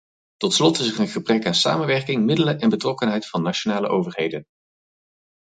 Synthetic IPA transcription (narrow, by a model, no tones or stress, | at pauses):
tɔtslɔtɪsərənχəbrɛkaːnsa̰ːmənʋɛɹkɪŋmɪdələʔɛnbətrɔkənɦɛjtfɑnːat͡ʃonaːlə̰ʔowvəɹɦejdən